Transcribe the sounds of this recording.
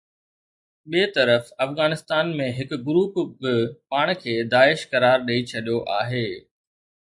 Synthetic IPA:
ɓiːt̪ɐɾəfɐfɣaːnɪst̪aːnmẽɦɪkɡʊɾuːpbɪpaːɽ̃kʰeːd̪aːɪʃkɐɾaːɾɗɐit͡ɕʰɐɗijoʔaːɦeː

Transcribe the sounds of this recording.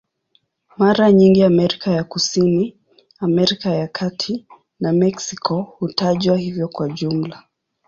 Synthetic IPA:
maɾaɲiŋɡiamɛɾikajakusini | amɛɾikajakʰatʰi | namɛksikʰɔhutaʄwahivjɔkwaʄum̩la

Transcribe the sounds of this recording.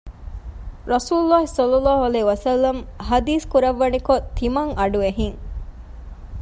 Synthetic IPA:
ɾɐsuːulːaːɦisɐlːɐlːaːɦuɐleːuʋɐsɐlːɐmɦɐd̪iːskuɾɐʋːɐnikot̪ʰːimɐŋʔɐɖueɦiŋ

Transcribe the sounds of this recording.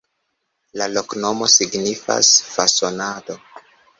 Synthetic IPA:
lalo̞kno̞mo̞siɡnifa̰sfaso̞nado̞

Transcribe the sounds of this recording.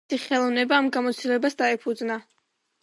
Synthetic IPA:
iχɛlˠɔvnɛbaːmɡamɔt̪sʰt̪ilɛbasd̪aɛpʰud̪zna

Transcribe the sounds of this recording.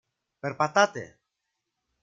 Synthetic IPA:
peɾpat̪at̪ḛ

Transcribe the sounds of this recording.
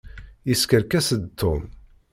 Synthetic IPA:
iskəɾkæsəd̪t̪ʰːʊn

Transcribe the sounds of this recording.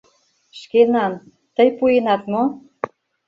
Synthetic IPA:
ʃkenɑn | t̪əjpujenɑt̪mo

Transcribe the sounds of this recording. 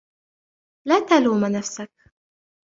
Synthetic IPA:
laːt̪aluːmanafsak̚

